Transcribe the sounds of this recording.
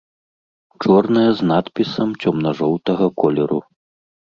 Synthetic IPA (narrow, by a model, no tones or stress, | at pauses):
t͡ʂɔrnɐjɐznat̪pʲisɐmt͡sʲɔmnɐʐɔwt̪ɐɣɐkʰɔlʲɛɾu